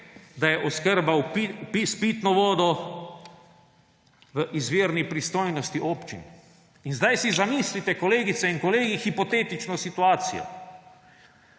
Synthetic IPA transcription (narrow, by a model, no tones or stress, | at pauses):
d̪ajɛʔɔskəɾbawpipispit̪nɔʋɔːd̪ɔ | ʋəʔizʋeːɾnipɾist̪oːjnɔst̪iʔoːpt͡ʃḭn | inzd̪ajsizamiːslit̪ɛkɔleːɡit̪sɛinkɔleːɡixipɔt̪eːt̪it͡ʃnɔsit̪uaːt̪sḭjɔ̰